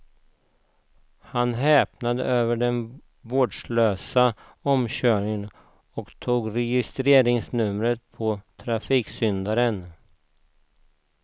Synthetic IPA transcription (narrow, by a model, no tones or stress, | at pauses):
hanɦɛːpnad̪ə̰ʔøːvəɖɛn | voːɖʂløːsa | ɔmɕœːɳɪŋən | ɔkt̪ʰuːɡɾɛjɪst̪ɾeːɾɪŋsnɵmɾət̪̚pʰɔt̪ʰɾafiːksʏnd̪aɾən